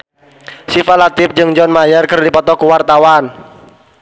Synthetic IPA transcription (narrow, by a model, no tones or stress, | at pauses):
sifalat̪ɪp̚d͡ʒɨŋd͡ʒɔnmajərkɨrdipɔt̪ɔkuwart̪awan